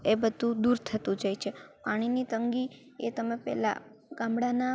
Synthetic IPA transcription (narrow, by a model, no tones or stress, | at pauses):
ebəd̪ʱũd̪uɾt̪ʰət̪ũd͡ʒajt͡ʃʰepaɽ̃init̪əŋɡi | ḛt̪əmepɛ̰la̰ɡ̥ãmbɽana